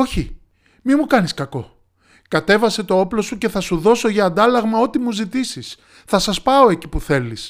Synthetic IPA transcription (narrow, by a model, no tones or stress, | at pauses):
o̞çi | mimukɐniskɐko̞ | kɐt̪e̞vɐse̞t̪o̞oplo̞suce̞θɐsuðo̞so̞ʝɐːnd̪ɐlɐɣmɐo̞t̪imuzit̪isis | θɐsɐspɐo̞e̞ci̥puθe̞lis